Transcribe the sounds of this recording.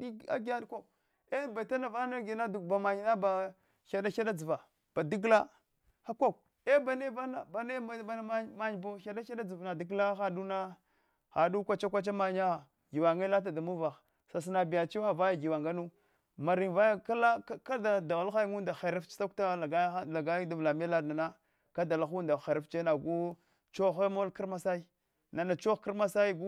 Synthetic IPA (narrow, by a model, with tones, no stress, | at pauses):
i˦˨a̰˦ɡa˦ɗkʷa˦˨ | e˦ba˨ta˦na˨va˦na˦ɡi˨na˦du˨ba˨ma˨ɲi˨na˦ba˨ | xa˨da˦a˦da˦d͡zi˨va˨ | b̥a˨di˦ɡla˦ | ha˦kʷa˦˨k | e˦ba˨ne˦va˦na˨ba˨ne˦a˦ba˦n˦ma˦ma˦ɲ˨bo˦xa˨da˦a˦da˦d͡zi˨vna˨di˦ɡla˦xa˨du˦na˦ | xa˨du˦kʷa˨t͡ʃa˦kʷa˦t͡ʃa˦ma˨ɲa˦a˨ | ɡi˨wa˨ŋɡa˦la˦t̬a˨da˨mu˦va˨x | sa˨s̬na˨bi˨ja˨t͡ʃi˦xa˨va˦ja˨ɡi˨wa˨ŋɡa˦nu˦ | ma˨ɾi˨nva˦ka˦la˦ka˦da˨da˨wa˦la˦u˦nda˨xe˨ɾa˦ft͡ʃi̥˦ta˦k̚ta˦a˨ɡa˦la˨ɡa˦da˦vla˨me˦la˦na˨na˦ | ka˦da˨la˨xu˦nda˨xe˨ɾa˦ft͡ʃe˦na˨ɡu˦ | t͡ʃo˦xe˦mo˦lki˦ɾma˦sa˦i˦ | na˨na˨t͡ʃo˦xki˦ɾma˦sa˦i˦ɡu˦